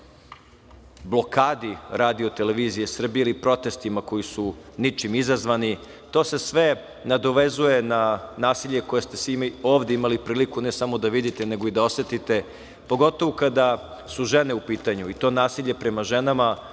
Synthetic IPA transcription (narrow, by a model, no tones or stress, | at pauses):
blo̞kaːd̪iɾaːd̪iot̪e̞leʋiːzije̞sr̩bijeilipɾo̞t̪e̞st̪imako̞jisunit͡ʃimizazʋani | t̪oːse̞sʋe̞ | nad̪o̞ʋe̞zuje̞nanaːsiʎe̞ko̞jest̪esʋimoːʋd̪eimalipɾiːlikunesamo̞d̪aʋid̪it̪ene̞ɡo̞id̪ao̞sʋe̞t̪it̪e̞ | po̞ɡo̞t̪o̞ʋukad̪a | suʒe̞ne̞upiːt̪aɲuit̪o̞ːnaːsiʎe̞pɾe̞maʒe̞nama